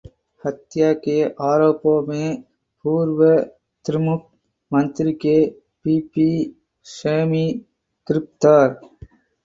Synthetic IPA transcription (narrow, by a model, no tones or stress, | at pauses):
hət̪jakeʔaːɾoːpõmẽ | puːɾwə | t̪ɾɪmʊk̚ | mə̃nt̪ɾike | piːpi | ʃeːmi | kɾɪp̚t̪əɾ